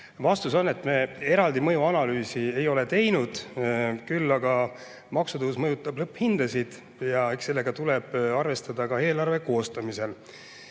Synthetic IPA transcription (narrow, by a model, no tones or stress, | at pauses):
vɑst̪uso̞nːe̞t̪ːˑme̞e̞ɾɑld̪imɤjuɑnɑlyːsie̞jo̞le̞t̪e̞jnud̪̥kylːɑɡ̥ɑ | mɑksud̪uːsmɤjut̪ːˑɑblɤpːhind̪̥ɑsid̪̥ | jɑekse̞lːe̞ɡ̥ɑt̪ule̞b̥ɑrve̞st̪ɑd̪ɑkɑe̞ːlɑrve̞ko̞ːst̪ɑmise̞l